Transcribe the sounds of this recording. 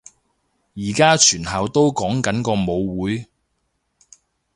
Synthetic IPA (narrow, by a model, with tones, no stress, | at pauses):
jiː˨˩kaː˥t͡ʃʰyː˨˩nɦɐ˨wt̪o˥wkɔː˨˥ŋkɐ˨˥nkɔː˧mo˨˧wwuː˨˥j